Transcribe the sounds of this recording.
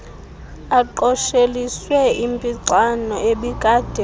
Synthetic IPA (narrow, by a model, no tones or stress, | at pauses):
aǃɔʃeliswɛimpʼiǀanɔeɓiɡ̥ʱaːd̥ʱɛ